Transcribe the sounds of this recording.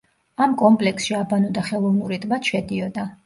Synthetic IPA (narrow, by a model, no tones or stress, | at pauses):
amkʼɔmpʼlɛksʃiabanɔd̪aχɛlˠɔvnuɾit̪ʼmat̪ʃɛd̪iɔd̪a